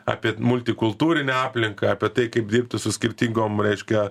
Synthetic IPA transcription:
ɑ̰ːpʲiɛmʊlʲt̪ʲɪkʊlˠt̪uːɾʲɪnʲɛaːpʲlʲɪŋkɐɐːpʲiɛt̪ɐɪkɐɪp̚d̪ʲiːrp̚t̪ʲɪsʊsʲkʲɪɾʲt̪ʲiŋɡoːmɾʲɛɪʃʲkʲɛ

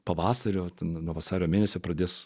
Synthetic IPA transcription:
pɐʋɑːsɐɾʲoːt̪ʲɛnnuɔʋɐsɑːɾʲoːmʲeːnʲɛsʲoːpɾɐd̪ʲeːs

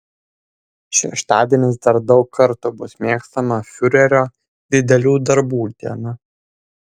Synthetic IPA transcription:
ʃʲɛ̰ʃt̪ɑːd̪ʲieːnʲɪsd̪ɐɾd̪ɒʊkʰːɐɾt̪ʊbʊsmʲeːkst̪ɐmɐfʲʊɾʲɛɾʲoː | d̪ʲɪd̪ʲɛlʲuːd̪ɐɾbuːd̪ʲiɛnʊ

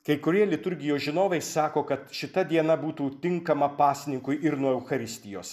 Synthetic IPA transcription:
kɐɪkʊɾʲiɛlʲɪt̪ʊɾʲɡʲɪjoːsʒʲɪnoːʋʲɛɪssɑːkoːkɐt̪ʃʲɪt̪ɐd̪ʲiɛnɐbuːt̪uːt̪ʲɪŋkɐmɐpɑːsʲɪnʲɪŋkʊɪʔɪɾnuɔɛʊxɐɾʲɪsʲt̪ʲɪjo̰ːs

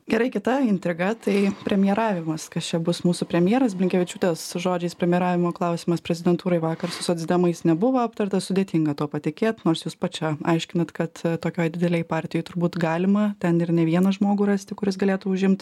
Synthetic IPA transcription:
ɡʲɛɾɐɪkʲɪt̪ɐɪnʲt̪ʲɾʲɪɡɐt̪ɐɪpʲɾʲɛmʲɪjɛɾɑːʋʲɪmɐskɐst͡ʃʲɛbʊsmuːsʊpʲɾʲɛmʲjeɛːɾɐsbʲlʲɪŋʲkʲɛʋʲɪt͡ʃʲuːt̪ʲeːsʒoːd͡ʒʲɛɪspʲɾʲɛmʲɪjɛɾɑːʋʲɪmoːklˠɐʊsʲiːmɐspʲɾʲɛzʲɪd̪ʲɛnt̪uːɾɐɪʋɑːkɐrsʊsoːd͡zzʲd̪ʲɛmɐɪsnʲɛbʊʋɐɐpt̪ɐrt̪ɐsʊdʲeːt̪ʲɪŋɡɐt̪oːpɐt̪ʲɪkʲeːt̪noːrsjuːspɐt͡ʃʲɛɐɪʃʲkʲɪnɐt̪kɐt̪t̪oːkʲoːjd̪ʲɪd̪ʲɛlʲɛɪpɑːrʲt̪ʲɪjɔɪt̪ʊɾbuːt̪ɡɑːlʲɪmɐt̪ʲɛnɪrnʲɛʋʲiɛnɐʒmoːɡʊɾɑːsʲt̪ʲɪkʊɾʲɪsɡɐlʲeːt̪uːʊʒʲɪmt̪

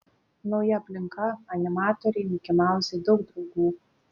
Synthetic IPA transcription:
nɔʊjɛɐpʲlʲɪŋkɐɐnʲɪmɑːt̪ɔɾʲɛɪmukʲɪmaˑʊsʲed̪ɔʊk̚d̪ɾɔʊɡuː

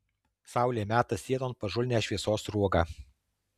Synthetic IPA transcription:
sɑˑʊlʲeːmʲæːt̪ɐssʲiɛd̪oːnpɐʒʊlʲnʲæːʃʲʋʲiɛsoːsɾuɔɡɑ

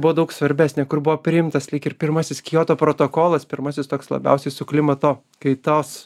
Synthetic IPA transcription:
bʊʋoːd̪ɐʊksʋɐɾʲbʲæːsʲnʲɛkʊrbʊʋoːpʲɾʲɪɪmt̪ɐslʲɛɪkɪrpʲɪɾmɐsʲɪskʲɪjoːt̪oːpɾoːt̪oːkoːlˠɐspʲɪɾmɐsʲɪst̪oːkslˠɐ̰bʲɛ̰ʊsʲɛɪsʊklʲɪmɐt̪oː | kɐɪt̪oːs

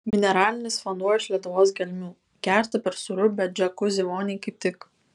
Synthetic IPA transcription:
mʲɪnʲɛɾɑːlʲɪnʲɪsfɔnd̪uɔjɪʃʲlʲiɛt̪ʊʋoːsɡʲɛlʲmʲuː | kʲæˑɾʲt̪ɐpʲɛɾsʊɾʊbʲɛt̪̚d͡ʒʲɛkʊzʲiʋoːnʲɛɪkɐɪp̚ʲt̪ʲɪk

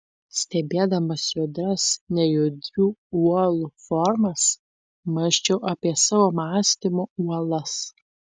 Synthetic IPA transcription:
sʲt̪ʲɛbʲeːd̪ɐmɐsjʊd̪ɾɐsnʲɛjʊd̪ʲɾʲuːuɔlˠufɔɾmɐs | mɐʃʲt͡ʃʲɛʊʔɐpʲiɛsɑːʋoːmɑːsʲt̪ʲɪmoːuɔlˠɐs

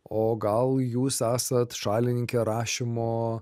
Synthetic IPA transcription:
oːɡɐlˠjuːsæːsɐt̪ʃɑːlʲɪnʲɪŋʲkʲeːɾɑːʃʲɪmoː

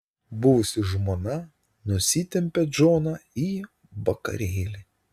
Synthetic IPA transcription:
bʊʋʊsʲɪʒmoːnɐ | nʊsʲit̪ʲɛmʲpʲɛd͡ʒoːnɑi | ʋɐkɐ̰ɾʲeːlʲɪ

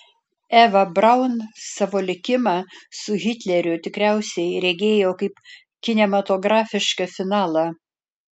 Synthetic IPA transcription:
æːʋɐbɾɐʊnsɑːʋoːlʲɪkʲɪmɑːsʊɣʲɪt̪ʲlʲɛɾʲʊt̪ʲɪkɾʲæˑʊsʲɛɪɾʲɛɡʲeːjoːkɐɪp | kʲɪnʲɛmɐt̪oːɡɾɑːfʲɪʃkɐfʲɪnɑːlˠɑ

